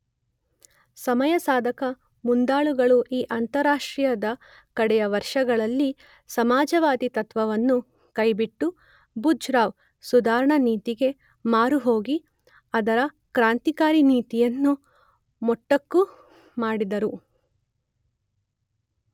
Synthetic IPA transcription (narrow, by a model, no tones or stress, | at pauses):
sɐmɐjɐsaːd̪ʱɐkɐ | mund̪aːɭuɡɐɭuʔiːʔɐnt̪ɐɾaːʂʈɾijɐd̪ɐ | kɐɽɛjɐʋɐɾʂɐɡɐɭɐlːi | sɐmaːd͡ʒɐʋaːd̪it̪ɐt̪ʋɐʋɐnːu | kɐjbiʈːu | bud͡ʒɾaːʋ | sud̪aːɾɐɳɐniːt̪iɡe̞ | maːɾuɦo̞ːɡi | ɐd̪ɐɾɐ | kɾaːnt̪ikaːɾiniːt̪ijɐnːu | mɔʈːɐkːu | maːɽid̪ɐɾu